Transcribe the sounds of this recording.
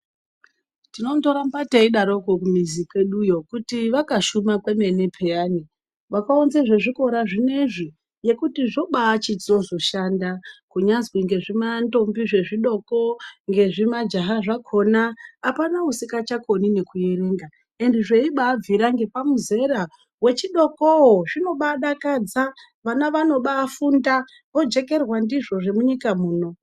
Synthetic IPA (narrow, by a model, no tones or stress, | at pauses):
tino̞mto̞ɾambateiɗaɾo̞kokumizikwe̞ɗujo̞kutiʋakaʃumakwemenepʰejaːni | ʋakaonzeʐeʐiko̞ɾaʐineiʐi | je̞kutiʐo̞ɓaːt͡ʃit͡so̞zo̞ʃandakuɲazwiŋɡe̞ʐimanto̞mbiʐe̞ʐiɗo̞koŋɡe̞ʐimad͡ʒaɦaʐakʰo̞naːpanausikat͡ʃako̞nine̞kuje̞ɾe̞ːŋɡa | e̞ndiʐe̞iɓaːb͡viɾaŋɡe̞pamuze̞ɾa | we̞t͡ʃiɗo̞koɦoʐino̞ɓaɗakad͡za | ʋanaʋano̞ɓaːfunda | ʋo̞d͡ʒe̞ke̞rwandiʐo̞ʐe̞muɲikamuːno̞